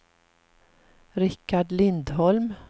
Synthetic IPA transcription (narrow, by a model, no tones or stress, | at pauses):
ɾɪkːaɖlɪnd̪ɦɔlm